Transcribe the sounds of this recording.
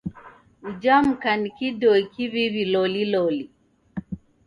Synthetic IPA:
ud͡ʒam̩kanikidɔikiβiβilɔlilɔli

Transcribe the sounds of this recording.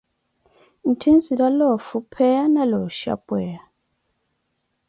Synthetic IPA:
n̩tʰinziɾalɔfupʰɛanalɔʃa̰pwɛja

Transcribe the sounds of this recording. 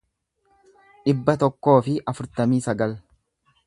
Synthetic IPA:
ᶑɪbːɐt̪ɔkːo̞ːfɪʔɐfʊɾt̪ɐmiːsɐɡɐl

